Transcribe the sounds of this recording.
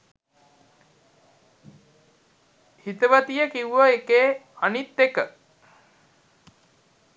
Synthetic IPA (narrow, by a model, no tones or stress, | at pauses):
hit̪əʋət̪ijəkiuʋəekeːanit̪ːekə